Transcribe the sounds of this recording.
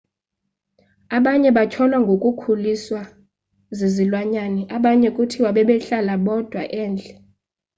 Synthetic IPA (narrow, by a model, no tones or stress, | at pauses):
aɓaɲɛɓat͡ʃʰɔlwaŋɡʱokʼukʰuliswa | zezilwaɲaniʔaɓaɲɛkʼutʰiwaɓɛɓɛɬalaɓɔd̥ʱwa̰ʔɛːnd͡ɮʱɛ